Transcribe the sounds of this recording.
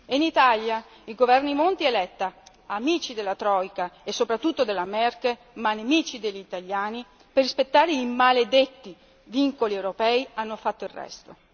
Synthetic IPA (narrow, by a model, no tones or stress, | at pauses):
init̪alja | iɡovɛrnimont̪ielɛt̪ːa | amiːt͡ʃid̪elːat̪ɾɔjkaesːopɾat̪ːut̪ːod̪elamɛrke | manemiːt͡ʃid̪eʎːit̪aʎːaːni | perːispet̪ːaːɾeimaled̪et̪ːi | viŋkoliewɾopɛːianːofat̪ːoilrːɛ̰st̪o